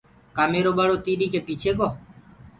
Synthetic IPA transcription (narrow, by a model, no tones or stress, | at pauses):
kaːmeːɾoːɓəːɽoːt̪iːɗiːkeːpiːt͡ʃʰeːkoː